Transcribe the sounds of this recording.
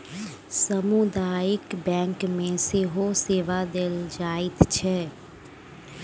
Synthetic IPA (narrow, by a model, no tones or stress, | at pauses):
səmud̪aːjɪkbɛ̃ːŋkmẽseːɦoseːʋad̪eld͡ʒaːɪt̪t͡ʃʰɛː